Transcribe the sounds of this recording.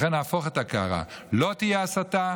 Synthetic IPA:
χenaːfoχet̪akaa̰ʁa̰lot̪ijaːsat̪a

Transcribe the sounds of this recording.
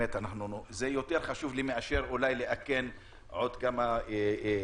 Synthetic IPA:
et̪anaχnuzejo̞t̪eʁχaʃuvlimeʔaʃeʁulajleʔaken | ʕo̞d̪kama

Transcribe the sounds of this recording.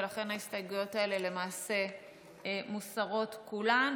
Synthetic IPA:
laχe̞naistajɡujo̞tae̞le̞le̞maːse̞ | musaʁo̞tkulan

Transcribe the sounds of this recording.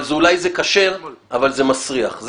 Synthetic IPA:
lzulajzekaʃe̞ʁavalzemasʁiaχz

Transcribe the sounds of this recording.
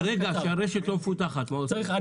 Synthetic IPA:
ɾeɡaʃaɾeʃɛt̪lomfut̪aχat̪maos

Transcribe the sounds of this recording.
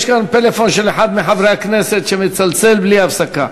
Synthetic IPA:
ʃkant̪elefonʃeleħad̪mɪħavɾeakneset̪ʃemɪt̪t͡salt͡selbliafsaka

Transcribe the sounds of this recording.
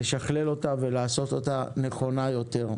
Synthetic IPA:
eʃaχle̞lo̞tave̞laːso̞t̪o̞tane̞χo̞najo̞te̞ʁ

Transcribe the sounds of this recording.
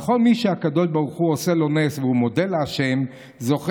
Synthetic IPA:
χo̞lmiʃeakadoʃbaʁuχuoselo̞nesvehumo̞deleaʃe̞m | zo̞χ

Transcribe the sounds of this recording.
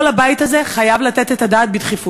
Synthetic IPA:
labajit̪azeχajavlat̪et̪et̪ad̪aːt̪̚bid̪χifu

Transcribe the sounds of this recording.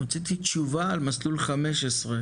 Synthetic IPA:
ot͡sit̪it͡ʃuvaːlmaslulχameʃesʁe

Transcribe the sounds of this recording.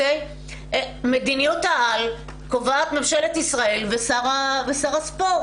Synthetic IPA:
ej | med̪inijut̪aal | kovaːt̪memʃelet̪isʁae̞lvesaʁavesaʁaspo

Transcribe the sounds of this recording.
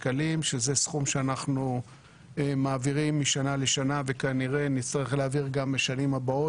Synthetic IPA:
kalimʃe̞zesχumʃeanaχnu | emaːviʁimːiʃanaleʃanave̞kaniʁe̞nit͡st̪aʁiχleaviʁɡambeʃanimabao

